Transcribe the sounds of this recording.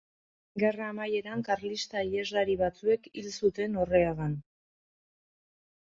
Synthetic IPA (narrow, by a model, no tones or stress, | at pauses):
ɡe̞raːmaje̞ɾaŋkaɾlist̪aiezlaɾiβat͡sue̞kilsut̪e̞no̞re̞aɣan